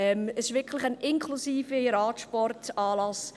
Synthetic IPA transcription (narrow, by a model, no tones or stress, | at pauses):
ɛməsɪʃʋɪɾkʰləχanʔɪŋkʰlusiːfəɾɑːtʃpɔrtɑːlɑs